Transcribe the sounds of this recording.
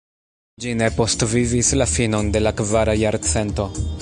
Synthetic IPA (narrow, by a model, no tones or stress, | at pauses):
d͡ʒine̞po̞stvivislafino̞nde̞lakvaɾajaɾt͡se̞nto̞